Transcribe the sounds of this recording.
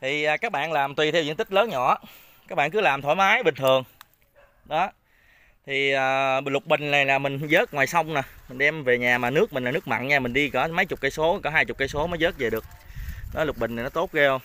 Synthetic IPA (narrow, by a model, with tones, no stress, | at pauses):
t̪ʰi˨˩ʔəː˨˩kaː˦˥k̚ɓa̰ː˧˨nlaː˨˩mt̪wi˨˩t̪ʰɛ˧wzḭ˧˥˦nt̪ï˦˥k̚ləː˨˦nɲɔ̰˧˩˦ | kaː˦˥k̚ɓa̰ː˧˨nkɨ˨˦laː˨˩mt̪ʰo˧˦jmaː˨˦jɓï˨˩ŋ̟ʰɨ˨˩əŋ | ɗɔ˨˦ | t̪ʰi˨˩əː˨˩lʊ˨˩k͡p̚ɓï˨˩ŋ̟na˨˩jlaː˨˩mï˨˩ŋ̟zəː˦˥t̚ŋwaː˨˩jsa˧wŋ͡mna˨˩mi̟˨˩ɗɛ˧mve˨˩ɲaː˨˩maː˨˩nɨ˦˥ək̚mï˨˩ŋlaː˨˩nɨ˦˥ək̚ma̰˧˨nɲaː˧mï˨˩ŋ̟ɗi˧kɔ˨˦mə˨˦jt͡ɕʊ˨˩k͡p̚kaː˧jso˨˦kɔ˨˦ɦaː˧jt͡ɕʊ˨˩k͡p̚kaː˧˦jso˨˦ma˨˦jzəː˦˥t̚ze˨˩ɗɨ˨˩ək̚nɔ˨˦jlʊ˨˩k͡p̚ɓï˩ŋna˨˩nɔ˨˦t̪o˦˥t̚ɣɛ˧